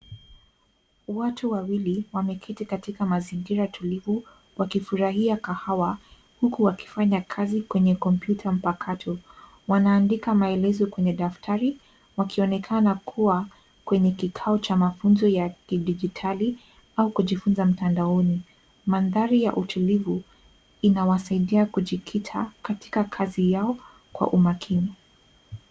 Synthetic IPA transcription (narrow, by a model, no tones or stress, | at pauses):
watuwawiliwamɛkʰitikatikamaziŋɡiɾatʰulivu | wakifuɾahiakahawa | hukuwaki̥faɲakʰazikwɛɲɛkɔmpjutʰam̩pakʰatʰɔ | wanaːndikamaɛlɛzɔkwɛɲɛɗaftʰaɾi | wakiɔnɛkʰanakʰuwa | kwɛɲɛkikʰaɔt͡ʃamafunzɔjakiɗid͡ʒitʰali | aukuʄifunzam̩tandaɔni | manðaɾija̰ʔutulivu | inawasaiɗiakuʄikʰitʰakati̥kakʰazijaɔ | kwa̰ʔumakʰini